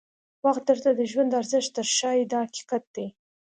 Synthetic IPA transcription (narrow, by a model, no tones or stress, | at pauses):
waxt̪̚d̪əɾt̪ad̪əʒwand̪aɾzɪʃt̪əɾʃɑjd̪əhaki̥qat̪̚d̪̥e